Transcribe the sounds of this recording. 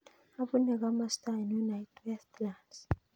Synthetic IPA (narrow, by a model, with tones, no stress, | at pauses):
a˨βu˦nɛ˨k̬ama˦sta˨nunajtʰwɛstʰlands